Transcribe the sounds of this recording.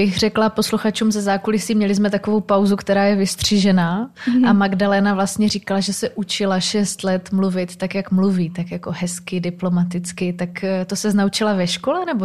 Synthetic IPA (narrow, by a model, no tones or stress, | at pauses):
bɪxr̝ɛklapo̞sluxat͡ʃuːmsɛzaːkulɪsiːmɲɛlɪzmɛt̪akovo̞wpawzukt̪ɛɾaːjɛvɪst̪r̝̥iʒɛnaːʔamaɡdalɛnavlast̪ɲɛɾiːkalaʒɛsɛʔut͡ʃɪlaʃɛst̪lɛt̪mluvɪt̪t̪akjakmluviːt̪akjako̞ɦɛskɪdɪplo̞mat̪ɪt͡skɪt̪akt̪osɛznaut͡ʃɪlavɛʃkolɛnɛbo